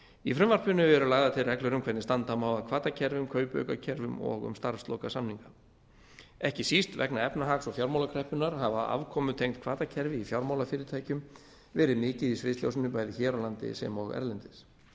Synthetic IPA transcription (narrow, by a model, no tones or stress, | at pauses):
ifɾʏmvaɾ̥pʏnʏvɛɾʏlaːɣðat̪ʰɪlɾrɛklʏɾʏmkʰvɛt̪nɪst̪ant̪amawðakʰvaːt̪acʰɛɾvʏmkʰœːɥpœ̰ːɥkacʰɛɾvʏmɔ̰ɣʏ̰mst̪aɾ̥fst̪lɔwkasamniŋka | ɛhcɪsist̪vɛ̰knaɛpnaɦaksɔɣfjawɾmawlakʰɾɛhpʏnaɾ̥havaa̰vkʰɔːmʏt̪ʰejŋt̪̚kʰvaːt̪acʰɛɾvɪifjawɾmawlafɪːɾɪɾt̪ʰaːjcʏm | vɛːɾɪmɪːcɪðisvɪst̪ljo̰wsɪnʏpaːjðɪçɛːɾawlant̪ɪ̰sɛ̰mɔɣɛ̰ɾlɛnt̪ɪs